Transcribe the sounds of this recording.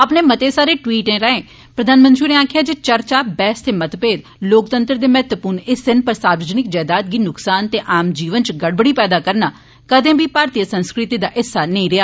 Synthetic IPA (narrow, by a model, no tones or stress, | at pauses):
əpneːmət̪eːsaːɾeːʈwiːʈẽːɾəẽː | pɾəd̪ʱaːnmənt̪ɾiːneːaːkʰɪjaːd͡ʒeːt͡ʃəɾt͡ʃaːbɛːst̪eːmət̪peːd̪ | loːkt̪ə̃nt̪ɾd̪eːmɛɦɛt̪wəpuːɾnɪsɪnpəɾsaːɾʋəd͡ʒənɪkd͡ʒɛːd̪aːt̪̚ɡiːnʊksaːnt̪eːʔaːmd͡ʒiːʋənt͡ʃɡəɽbəɽiːpɛːd̪aːkəɾnaː | kəd̪ẽːbʱiːpaːɾt̪ijəsənskɾɪt̪iːd̪aːʔɪsːaːnəĩːɾɪaː